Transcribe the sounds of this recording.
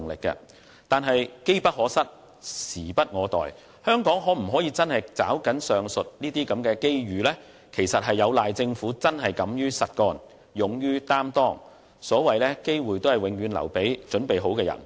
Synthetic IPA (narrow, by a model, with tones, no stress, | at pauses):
ŋlɪ˨kːɛ̰˧ | t̪aː˨nɦɐ˨jke˥jpɐ˥hɔː˨˥sɐ˥t̚ | siː˨˩pɐ˥t̚ŋɔː˨˧t̪ɔ̰ː˨j | hœː˥ŋkɔː˨˥ŋɦɔː˨˥m̩˨˩ɦɔː˨˥jiː˨˧˥t͡sɐ˥nhɐ˨jt͡sa̰ː˨˥wkɐ˨˥nsœː˨ŋsɵ˨t̚niː˥t̪iː˥kɐ˨˥mkɛː˧ke˥jɥyː˨lɛː˥ | kʰe˨˩jsɐ˨t̚ɦɐ˨jːɐ˨˧wlaː˨jt͡sɪ˧ŋfuː˨˥t͡sɐ˥nɦɐ˨jkɐ˨˥mjyː˥sɐ˨t̚kɔː˧˥n | jʊ˨ŋjyː˥t̪aː˥mt̪ɔː˥˩ŋ | sɔː˨˥wɐ˨jlɛ˥ke˥jwuː˨˩jt̪o˥whɐ˨jwɪ˨˧ŋɥyː˨˧nlɐ̰˨˩wpe˨˥jt͡ʃɵ˨˥npe˨jɦo˨˥wkɛː˧jɐ̰˨˩n